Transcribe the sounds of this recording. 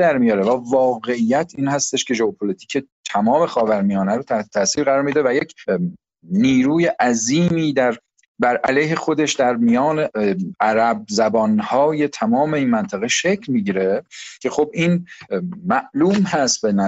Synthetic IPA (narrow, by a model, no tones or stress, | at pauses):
d̪æɾmijɒːɾevævɒːɣe̞ijːæt̪ʰiːnhæst̪e̞ʃkʰe̞ʒoopʰolit̪ʰi̥ːkʰe̞t̪ʰæmɒːme̞xɒːvæɾmijɒːnæɾot̪ʰæet̪ʰæːsiːɾɣæɾɒːɾmid̪evæje̞cʰ | niːɾuːje̞ʔæziːmiːd̪æɾ | bæɾʔælejɦe̞xo̞d̪eʃd̪æɾmijɒːneæɾæb̚zæbɒːnhɒːje̞t̪ʰæmɒːme̞iːnmænt̪ʰæɣeʃecʰlmiɟiːɾe̞cʰe̞xo̞biːn | mæʔluːmhæst̪̚benæ